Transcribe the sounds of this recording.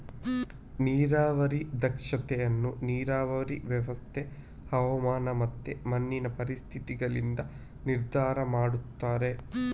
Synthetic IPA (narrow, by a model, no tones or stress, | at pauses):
niːɾaːʋɐɾid̪ɐkʂɐt̪ɛjɐnːuniːɾaːʋɐɾiʋjɐʋɐst̪ʰe | hɐʋɐmaːnɐmɐt̪ːemɐnːinɐpɐɾist̪ʰit̪iɡɐɭind̪ɐ | niɾd̪ʱaːɾɐmaːɽut̪ːaːɾe̞